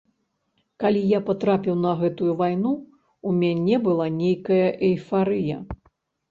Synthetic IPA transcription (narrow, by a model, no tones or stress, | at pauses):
kalʲijapat̪ɾapʲiwnɐɣɛt̪ujuvajnu | umʲanʲɛbɨlˠanʲejkɐjɐʔɛjfaɾɨjɐ̰